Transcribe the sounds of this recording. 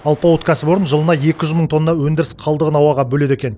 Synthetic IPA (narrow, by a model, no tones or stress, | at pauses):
ɑlˠpɑwot̪kʰʲæsɪbo̞ɾənʒəlˠənɑje̞kʲɪʒʏzməɴt̪ʰo̞nːnɑwɵnd̪ɪɾɪsqʰɑlˠd̪əʁənɑwɑʁɑbɵle̞d̪e̞kʲe̞n